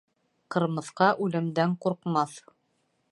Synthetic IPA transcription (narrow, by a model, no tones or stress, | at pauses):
qɤ̆ɾmɤ̆θqɑʔʉlɘ̆md̪æɴquɾqmɑθ